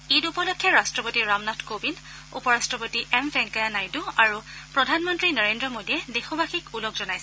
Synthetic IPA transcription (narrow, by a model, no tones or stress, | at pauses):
itupɔlɔkʰːjɔɹastɹɔpotiɹamnatʰkobin | ṵpɔɹastɹɔpotiʔɛmbɛŋkajanajduaɹupɹɔdʱanmɔntɹinɔɹendɹɔmodiɛdexɔbaxikulɔɡzɔnajsɛ